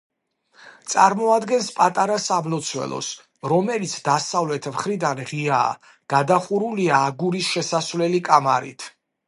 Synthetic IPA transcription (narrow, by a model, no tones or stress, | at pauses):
t̪sʼaɾmɔad̪ɡɛnspʼat̪ʼaɾasablɔt̪sʰwɛ̰lˠɔ̰s | ɾɔmɛlit̪sʰd̪asavlɛt̪ʰmχɾid̪anʁia̰ː | ɡ̥ad̪aχuɾuliaːɡuɾisʃɛsasvlɛlikʼamaɾḭt̪ʰ